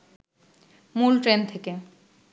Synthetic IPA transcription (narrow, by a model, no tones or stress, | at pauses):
mulʈɾent̪ʰeke